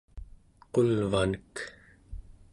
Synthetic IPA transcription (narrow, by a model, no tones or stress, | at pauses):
qolvanək